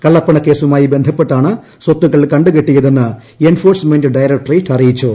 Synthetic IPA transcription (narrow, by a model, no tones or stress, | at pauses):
kɐɭːɐpːɐɳɐkːe̞ːsumaːjibe̞nd̪ʱɐpːe̞ʈːaːɳɨ | swot̪ːuɣɐɭkɐɳɖɨkeʈːijɐðe̞nːɨ | enfo̞ːrsmendɨɖɐjɾɐk̚ʈriʈːɐrijit͡ɕːu